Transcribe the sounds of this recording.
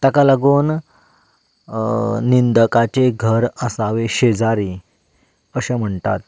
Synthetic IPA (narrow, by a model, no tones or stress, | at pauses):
t̪akalaɡuːn | ind̪əkat͡ɕeɡʱəɾəsaʋeɕed͡zaɾiː | əɕam̤əɳt̪a̰t̪̚